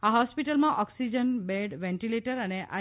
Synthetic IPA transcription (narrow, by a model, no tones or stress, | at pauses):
aɦɔspiʈəlmãʔɔksid͡ʒənbeɖʋɛ̃ɳʈileʈəɾəneʔa̰